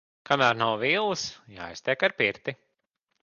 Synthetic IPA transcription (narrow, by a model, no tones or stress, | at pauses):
kʰamæːɾnawviːlˠsja̰ːjst̪ʲɛkaɾpiɾt̪i